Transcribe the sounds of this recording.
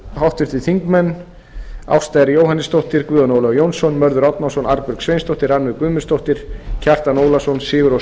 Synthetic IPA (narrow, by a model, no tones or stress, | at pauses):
hawht̪vɪɾ̥t̪ʰɪ̥θiŋkmɛnː | a̰wfst̪ajðɾɪjowɦanːɪst̪owht̪ɪɾkvʏːðanowlɔɣjownsɔnmœɾðʏɾɔt̪nawsɔnaɾpʏɾksvejnst̪owht̪ɪɾanmɪkʏːmʏ̥st̪owht̪ɪɾ̥cʰɛr̥t̪anoːwlasɔnsɪːɣʏɾɔ